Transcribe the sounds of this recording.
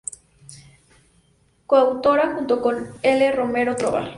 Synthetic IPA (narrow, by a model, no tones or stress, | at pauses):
koawt̪oɾaxunt̪okoneleromeɾot̪ɾoβa̰l